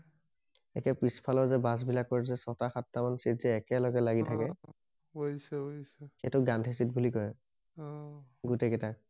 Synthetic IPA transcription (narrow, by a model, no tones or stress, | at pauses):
ɛ̰kɛpɹispʰalɔɹzɛbas̬bilakːɔɹzɛsɔtaxatːamansizɛɛkɛlɔɡɛlaɡitʰakɛ | oisɛoisɛketʊɡantʰes̬it̚bulikɔj | ɡutɛkɛtak̚